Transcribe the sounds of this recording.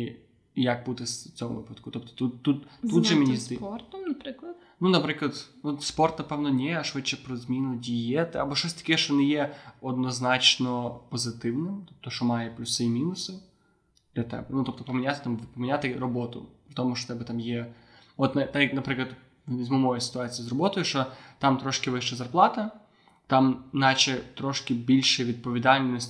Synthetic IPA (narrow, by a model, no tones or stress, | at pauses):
jɐk̚but̪ɪst͡sʲɔmʊ̰ʋɪ̰pɐd̪kʊt̪ɔp̚t̪ɔ̥t̪ut̪ːut̪t̪ud̪ʒɛmenʲizʲrt̪nɐpɪklˠɐ | nunɐpɾɪklˠɐd̪nuspɔrt̪nɐpɛwnɔnʲɛɐʃʋɪt͡ʃːɛpɾɔzmʲinʊdʲijɛt̪ɪɐbɔʃt͡ʃɔsʲt̪ɐ̥kʲɛʃt͡ʃɔnɛjɛɔd̪nɔznɑt͡ʃnɔpɔzɪt̪ɪwnɪmt̪ɔp̚t̪ɔʃɔmɑjɛplʲusɪjmʲinʊsɔwʲ | ɛt̪ɛ̰bɨnut̪op̚t̪ɔpəmʲɪnʲat̪ɪt̪ampəmʲɪnʲat̪ɨrɐbot̪ʊ̰pɾʲɪt̪omʊʂot̪abɨt̪amje | vot̪nɐt̪ajnɐpɾɨklˠət̪ʲ | ɪzʲmʊmojɛsʲɪ̥t̪ʊat̪sʲɨjzrɐbot̪ɔjʊʂot̪amt̪ɾoʂkʲɪvɨʂəjzɐrplˠat̪ɐ | t̪amnat͡ɕɪt̪ɾoʂkʲɪbʲilʲʂɨjvʲɪd̪̚pəvʲɪd̪alʲnosʲ